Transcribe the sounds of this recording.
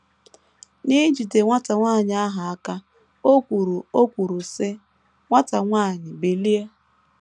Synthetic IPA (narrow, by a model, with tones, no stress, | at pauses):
ni˦d͡ʒi˨te˨ŋʷa˦ta˨ŋʷaː˦˨ɲ˨a˦ɦa˨a˦ka˦ | o˦kʷu˨ɾu˨o˦kʷu˨ɾu˨sɪ˦ | ŋʷa˦ta˨ŋʷaː˦˨ɲɪ˨be˨li˦e˦